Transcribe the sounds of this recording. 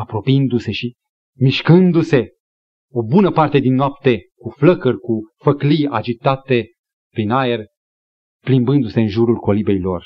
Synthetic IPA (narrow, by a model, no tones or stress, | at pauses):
apɾo̞pind̪use̞ʃi | miʃkɨnd̪use̞ | obunəpart̪e̞d̪inːoap̚t̪e̞kufləkərʲkufəklija̰d͡ʒit̪at̪e̞ | pɾinae̞r | plimbɨnd̪use̞ɨnʒuɾulko̞libe̞jlo̞̰r